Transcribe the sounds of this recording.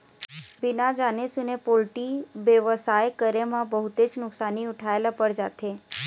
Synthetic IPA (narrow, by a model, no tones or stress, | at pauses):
bɪnad͡ʒanesunepolʈibjəʋəsajkəɾemãbəɦut̪ed͡ʒnʊksaniʊʈʰaelapəɽd͡ʒat̪ʰe